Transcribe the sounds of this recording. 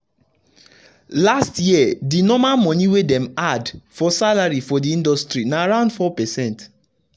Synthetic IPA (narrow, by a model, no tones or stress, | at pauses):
lastjiɛdinɔmamɔ̃niwedɛ̃madfɔsalaɹifɔdiĩndɔstɹinaːɹãʊ̃ndfɔpɛsɛ̃nt